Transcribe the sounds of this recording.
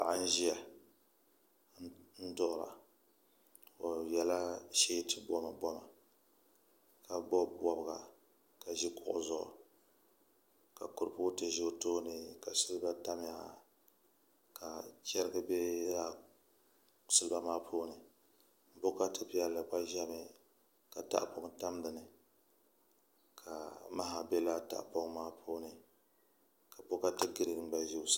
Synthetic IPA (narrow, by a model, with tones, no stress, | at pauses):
pa̰˨ʔa˦n̩˦ʒi˦ja˨ | n̩˦dʊ˦ʔʊ˦˨ɾa̰˨ | o˨jɛ˦la˦ʃe˦tɨ˦bɔ˦ma˨bɔ˦ma˨ | ka˨bɔ˦bɔ˦bɨ˨ɡa̰˨ | ka˨ʒi˦kʊ̰˦ʔʊ̰˦zʊ˨ʔʊ̰˨ | ka˨kʊ˨ɾpoː˦tɨ˨ʒo˦toː˦nɨ˨ka˨sɨ˦lba˦ta˦m˦ja˨ | ka˨t͡ʃɛ˦ɾɨ˦ɡɨ˦bɛ˦la˦ | sɨ˦lɨ˦ba˦maː˦pʰoː˦nɨ˨ | bo˦ka˦tɨ˦pɪ˦jɛ˨lːɨ˨ba˦ʒa˦mɪ˨ | ka˨ta̰˦ʔpo˦ŋta˦m˦dɨ˨nɨ˨ | kʰa˨ma˦ɦa˨bɛ˦la˦ta̰˦˨ʔpɔ˦ŋmaː˦pʰoː˦nɨ˨ | ka˨bo˦ka˦tɨ˦ɡɨ˦ɾɨ˨ɨ˨˦ba˦ʒi˦s